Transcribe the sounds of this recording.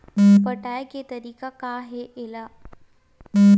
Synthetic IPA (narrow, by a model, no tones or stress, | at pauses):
pɐʈaːeket̪ɐɾiːkakaɦeʔɪla